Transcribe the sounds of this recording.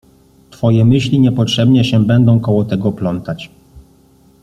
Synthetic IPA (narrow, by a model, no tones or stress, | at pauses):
t̪fɔjɛmɘɕlʲiɲɛpɔtʂɛbɲɛɕɛbɛnd̪ɔ̃w̃kɔwɔt̪ɛɡɔplɔnt̪at͡ɕ